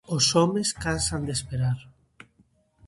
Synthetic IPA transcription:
osɔmeskansand̪espeɾaɾ

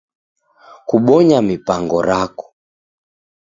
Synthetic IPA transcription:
kuɓɔɲamipaŋɡɔɾakɔ̥

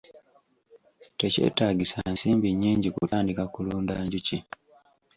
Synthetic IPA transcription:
te̞ce̞̰ːtaːɡisansiːmbiɲːiːɲɟikutaːndikakuluːndaːɲɟuci

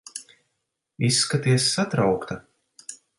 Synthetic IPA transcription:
isːkat̪iɛsːat̪ɾawkt̪a

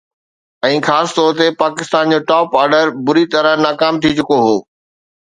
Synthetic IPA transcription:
ɛ̃ːxaːsɪ̥t̪ɔːɾt̪epaːkɪst̪aːnd͡ʑoːʈɔːpaːɾɖəɾbʊɾit̪ɐɾəɦnaːkaːmt̪ʰit͡ɕʊkoɦoː

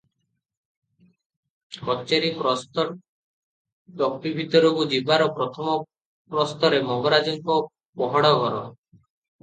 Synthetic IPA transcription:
kɔt͡ʃeɾipɾɔst̪ɔ | ɖɔkpibʱit̪ɔɾoɡud͡ʒibaɾɔpɾɔt̪ʰɔmɔ | pɾɔst̪ɔɾemɔɡɔɾad͡ʒɔŋkɔ | pɔɦɔɽɔɡɔɾɔ

